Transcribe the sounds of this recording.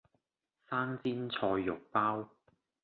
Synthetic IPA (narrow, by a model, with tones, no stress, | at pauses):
saː˥ŋt͡siː˥nt͡sʰɔː˧jːʊ˨˩k̚paː˥w